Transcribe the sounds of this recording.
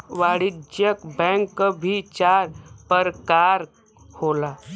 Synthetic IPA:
ʋaːɽid͡ʒjəkbɛ̃ŋkːəbʱit͡ʃaːɾpəɾkaːɾ | holaː

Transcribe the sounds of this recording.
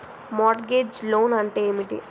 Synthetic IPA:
maːʈɡeːd͡ʒloːnɐɳʈeːeːmiʈḭ

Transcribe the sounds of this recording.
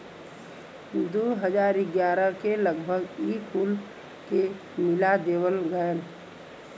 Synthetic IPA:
d̪oːɦəd͡ʒaːɾɪɡjaːɾəkeləɡbʱəɡiːkʰuːl | ke | mɪlad̪eːwəlɡən

